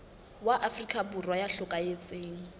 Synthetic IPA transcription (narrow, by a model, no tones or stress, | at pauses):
waʔafrikʼaburwajaɬʊkʼajet͡sʼeːŋ̩